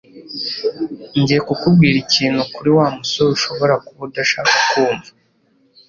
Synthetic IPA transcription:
ɲɟijekukub̚ɡiːɾiciːnhukuɾiwaːmusouʃo̞βo̞ɾakuβudaʃakḁkuːmba

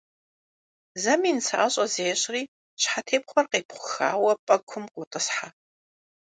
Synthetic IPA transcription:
zɐmiːnt͡sʰaʔaɕʼɐzeːɕʼriː | ɕħatʰeːp̚χʷɔrqeːpχʷʊxa̰ːwɐpʼɐkʷʰʊmqʷʼʊtʼɨsħa

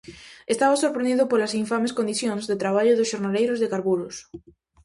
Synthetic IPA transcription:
est̪aβasoɾpɾẽnd̪iðʊpolɐsiɱfameskond̪iθjõŋzðet̪ɾaβ̞aʎʊðʊsʃoɾnalejɾʊzðekaɾβuɾʊs

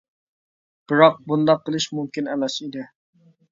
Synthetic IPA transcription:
b̥ɪɾɑq̚bund̪ɑqːəlˠɨʃmumkʲinɛmɛsid̪ɪ

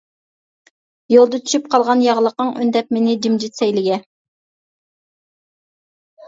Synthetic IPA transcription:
jolˠd̪ət̪ʰy̥ʃyp̚qʰɑlˠʁɑnjɑʁlˠəqːəŋy̰nd̪ɛp̚menɪd͡ʒimd͡ʒit̪sɛjlɪɡʲɛ

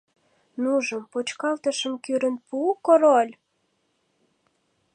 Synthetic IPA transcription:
nuʒə̆mpot͡ɕkɑlt̪ə̆ʃə̆mkyɾə̆npukoɾolʲ

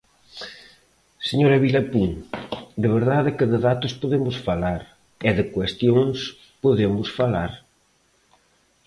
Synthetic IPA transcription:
seɲoɾɐβilapuŋd̪eβeɾðaðɛkɪðɪðat̪ʊspoðemʊsfalaɾ | ɪðɪkwest̪joŋs | poðemʊsfalaɾ

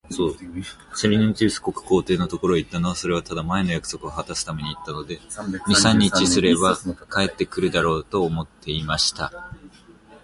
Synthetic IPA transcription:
so̞ː | seɾʲiɲẽn̟t͡ɕɨːsɨ̥ko̞kɯ̟̥ko̞ːt̪e̞ːno̞t̪o̞ko̞ɾo̞it̪ːano̞β̞aso̞ɾe̞βat̪ad̪amae̞no̞jakɯ̟̥so̞kɯ̟ohat̪asɨ̥t̪ame̞ɲ̟iːt̪ːano̞d̪e̞mʲisãɲ̟ːit͡ɕisɨɾe̞bakae̞t̪ːe̞kɯ̟ɾɯ̟d̪aɾo̞ːt̪o̞ːmo̞t̪ʰːe̞imaɕi̥t̪a

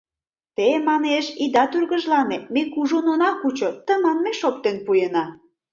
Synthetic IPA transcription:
t̪emɑneʃid̪ɑt̪yrɣə̆ʒlɑnemekuʒononɑkut͡ɕot̪ə̆mɑnmeʃok̚t̪enpujenɑ

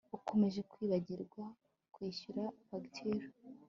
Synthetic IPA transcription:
uko̞me̞ʒe̞kwiːβaɟiɾɡwa | kwiːɕuɾaβaɡtʰeɾo

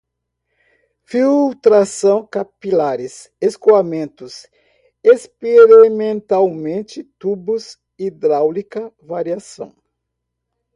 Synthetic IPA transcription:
fiwt̪ɾasɐ̃w̃kapilaɾɪs | eskuamẽnt̪ʊs | espeɾimẽnt̪awmẽnt͡ʃɪt̪ubʊs | id̪ɾawlikɐvaɾiasɐ̰̃w̃

